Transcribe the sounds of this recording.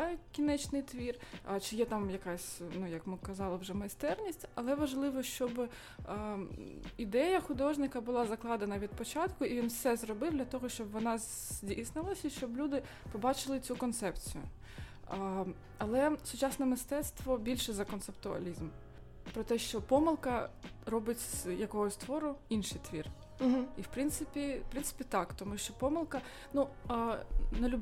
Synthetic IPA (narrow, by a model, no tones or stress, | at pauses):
kʲinɛt͡ʃnɪjt̪ʋʲirt͡ʃɪjɛt̪ɑmjɐkɑsʲnujɐkmɪkɐzɑlˠɪwʒɛmɐjst̪ɛrnʲisʲtʲɐlˠɛʋɐʒlˠɪʋɔʃt͡ʃɔb | id̪ɛjɐxʊd̪ɔʒnɪkɐbʊlˠɑzɐklˠɑd̪enɐʋʲid̪̚pɔt͡ʃɑt̪kʊʔiʋʲinfsɛzɾɔbɪwd̪ʲlʲɐt̪ɔɦɔʃt͡ʃɔbʋɔnɑzʲ | dʲijsnɪlˠɐsʲɐʃt͡ʃɔblʲud̪ɪ | pɔbɑt͡ʃɪlˠɪt͡sʲukɔnt̪sɛpt͡sʲijʊ̰ | ɐlˠɛsʊt͡ʃɑsnɛmɪst̪ɛt̪st̪ʋɔbʲilʲʃɛzɐkɔnt̪sept̪ʊɐ̰lʲizm | pɾɔt̪ɛʃt͡ʃɔpɔmɪlˠkɐɾɔbɪtʲjɐkɔɦɔsʲt̪ʋɔɾʊinʃɪjt̪ʋʲir | iwpɾɪnt̪sɪpʲipɾɪntsɪ̥pʲit̪ɑkt̪ɔmuʃt͡ʃɔpɔmɪlˠkɐ | nu | nelʲub